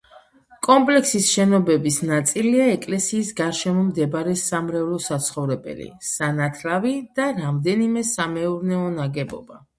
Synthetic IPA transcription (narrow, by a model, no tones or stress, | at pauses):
kʼɔmpʼlɛksisʃɛnɔbɛbisnat̪sʼiliaɛkʼlɛsiːsɡaɾʃɛmɔmd̪ɛbaɾɛsamɾɛvlˠɔsat̪sʰχɔvɾɛbɛ̰lḭsanat̪ʰlavid̪̥aɾamd̪ɛnimɛsamɛuɾnɛɔnaɡɛbɔ̰ba